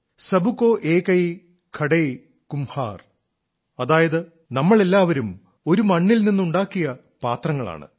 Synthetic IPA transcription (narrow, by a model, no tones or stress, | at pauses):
sɐbukːoːʔe̞ːkɐj | kʰɐɽɐj | kumha̰ːr | ɐðaːjɐðɨ | nɐmːɐɭe̞lːaːʋɐɾum | o̞ɾumɐɳːilninːuɳɖaːkːijɐ | paːt̪rɐŋːɐɭa̰ːɳɨ̰